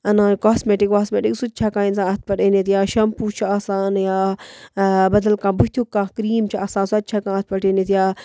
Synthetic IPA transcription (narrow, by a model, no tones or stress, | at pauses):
ɐnãːnkaːsmeːʈikkaːsmeːʈiksut̪̚ːt͡ʃʰaːkãːinzãːɐt̪̚ʰpɐʈeːneːt̪jaːʃɐmpuːt͡ʃʰiaːsaːnjaː | bɐd̪ɐlkãːbut̪ʰukːãːkɾiːmt͡ʃʰiaːsãːnsuɐt̪̚ːt͡ʃʰaːkãːɐt̪̚ʰpɐʈeːneːt̪jaː